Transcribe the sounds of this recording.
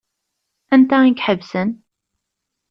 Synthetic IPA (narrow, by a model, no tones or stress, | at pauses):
ænt̪æikħəvsən